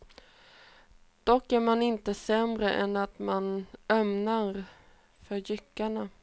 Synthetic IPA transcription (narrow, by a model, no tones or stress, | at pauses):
d̪̥ɔkːæɾmanɪnt̪əsɛmɾəʔɛnːat̪manœmnaɾ | fœɾjʏkːaɳa